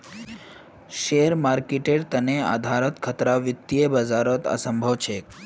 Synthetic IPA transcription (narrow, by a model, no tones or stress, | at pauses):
ʃeɾmaɾkeʈeɖt̪ənea̰d̪ʱaɾət̪kʰət̪ɾaʋit̪ːiebəd͡ʒaɾət̪ə̰səmbʱəʋt͡ʃʰek